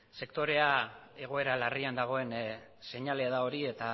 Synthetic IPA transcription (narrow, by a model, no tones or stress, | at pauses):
se̞kt̪o̞ɾe̞a | e̞ɣ̞o̞e̞ɾalariand̪aɣ̞o̞e̞n | se̞ɲale̞aðao̞ɾie̞t̪a